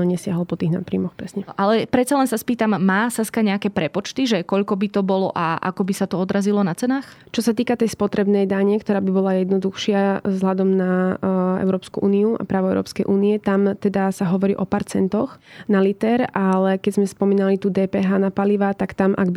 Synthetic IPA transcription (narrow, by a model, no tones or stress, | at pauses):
ɲɛsɪaɦɔlpɔt̪iɣna̰t̪pɾḭːmɔxpɾɛsɲɛʔalɛpɾɛt̪t͡salɛnsaspiːt̪amːaːsaskaɲɛakɛːpɾɛpɔt͡ʃt̪iʒɛkɔʎkɔbit̪ɔbɔlɔʔaʔa̰kɔbisat̪ɔɔd̪ɾazilɔnat͡sɛnaːx | t͡ʃɔsat̪iːkat̪ɛjspɔt̪ɾɛbnɛjd̪aɲɛkt̪ɔɾaːbibɔlajɛd̪nɔd̪uxʃɪazɦlad̪ɔmnaɛ̰ʊɾɔːpskuʔuːniua̰pɾaːʋɔɛʊɾɔ̰ːpskɛjʔuːniɛt̪amt̪ɛd̪asaɦɔʋɔɾḭːʔɔpaːɾt͡sɛnt̪ɔxnalit̪ɛɾalɛkɛzmɛspɔmiːnalit̪uːd̪ɛːpɛːɦaːnapaliʋat̪akt̪amʔa̰ɡbi